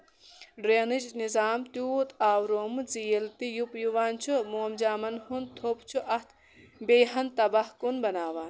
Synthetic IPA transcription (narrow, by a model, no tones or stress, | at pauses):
ɖɾeːnɨd͡ʒnizaːmt̪jut̪aːwɾoːmɨzijelt̪ijupjuʋaːnt͡ʃʰumoːmd͡ʒaːmɐnhunt̪ʰopt͡ʃʰuʔɐt̪ | bejɦɐnt̪ɐbɐhkunbɐnaːʋaːn